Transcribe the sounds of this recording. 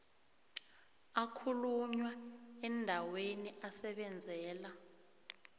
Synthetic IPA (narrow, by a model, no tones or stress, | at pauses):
akʰuluɲwaɛndʱaweniasɛɓɛnd͡zʱɛːla